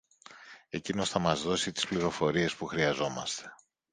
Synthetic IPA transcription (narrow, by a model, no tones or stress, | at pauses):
e̞cino̞sθɐmɐzðo̞sit̪i̥spliɾo̞fo̞ɾie̞spuxɾiɐzo̞mɐst̪e̞̥